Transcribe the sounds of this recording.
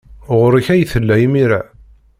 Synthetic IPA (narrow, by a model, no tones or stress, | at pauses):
ʁəɾəçæjθəlːæjimiɾæ